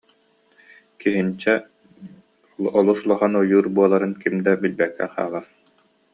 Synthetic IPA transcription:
kiɦint͡ɕɛ | ɔlˠusulˠɔχanɔjuːɾbuɔlˠaɾɯnkimd̪æbilbɛkːæ̰χa̰ːlˠaɾ

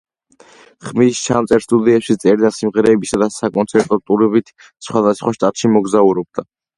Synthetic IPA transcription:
χmist͡ʃʰamt̪sʼɛɾst̪ʼud̪iɛʃit̪sʼɛɾd̪asimʁɛɾɛːbisad̪asakʼɔnt̪sʰɛɾt̪ʼɔt̪ʼuɾɛbit̪ʰ | sχwad̪asχwaʃt̪ʼat̪ʼʃimɔɡzauɾɔb̚d̪a

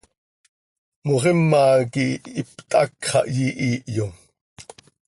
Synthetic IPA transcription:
moʁemːɑːkiːpt̪ʼɑkχɑ̰ʔjiːʔiːʔjo

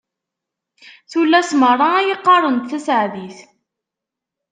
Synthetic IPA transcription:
θulːæsmərˤːɑjəqːɑrˤənt̪θæsʕðiθ

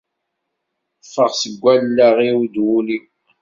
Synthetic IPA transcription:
fːəʁsəɡʷːælːaʁiwid̪wuli

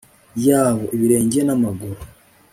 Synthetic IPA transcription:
jaːβo̞ʔiβiɾe̞ːɲɟijenamaɡuɾo

